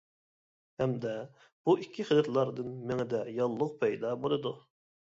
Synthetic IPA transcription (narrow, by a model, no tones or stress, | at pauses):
hɛmd̪ɛ | b̥uʔikʲʰːiχəd̪ɛt̪lˠɑɾd̪ɨnmɪŋɪd̪ɛjɑlˠːʊq̚pʰɛjd̪ɑbolˠɨd̪u